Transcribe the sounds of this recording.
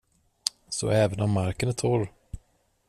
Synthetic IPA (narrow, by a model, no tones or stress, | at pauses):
sɔ̰ɛːvənɔmːaɾkənæʈ̪ʰɔɾ